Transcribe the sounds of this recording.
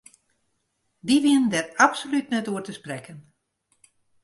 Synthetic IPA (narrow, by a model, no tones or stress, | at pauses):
diʋiəndɛrapsolytnɛtuərtəsprɛkən